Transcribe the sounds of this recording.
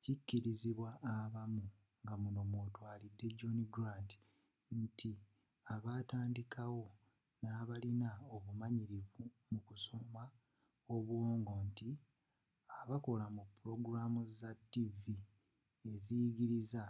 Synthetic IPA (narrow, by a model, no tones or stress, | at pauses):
cicːiɾiziβwaʔːβamu | ŋɡamuno̞mwotwaːlidːe̞ɟoniɡɾandi̥ | ntʰi | aβaːtaːndikawo̞ | naːβalinaoβumaɲiɾivu | mukuso̞ma | o̞βwoːŋɡo̞nti | aβako̞lamupːuɾo̞ɡuɾamuzatːivi | e̞ziɡiɾiza